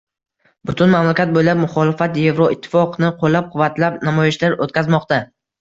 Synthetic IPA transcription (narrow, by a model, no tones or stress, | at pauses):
bʊt̪ʰʊnmamlakʲat̪̚bojlap̚mʊχɒlɪfat̪je̞vɾoɪt̪ʰːɪ̥fɒqnɪqʰolːap̚qʰʊvːat̪ʰlapnamɒjɪʃlaɾot̪̚kʲazmɒqt̪a